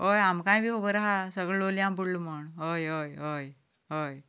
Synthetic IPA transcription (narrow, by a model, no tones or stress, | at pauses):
ɦojamkãjbʱiːɦobəɾaɦasəɡɭəoliampuɽluməɳɦojɦojɦoj | ɦoj